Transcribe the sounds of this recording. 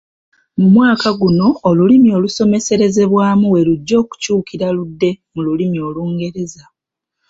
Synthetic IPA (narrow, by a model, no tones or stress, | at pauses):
mumwaːkaɡuno̞ːlulimio̞luso̞me̞se̞ɾe̞ze̞βwaːmuwe̞luɟːo̞ːku̥cuːkiɾaludːe̞mululimio̞luːŋɡe̞ɾe̞za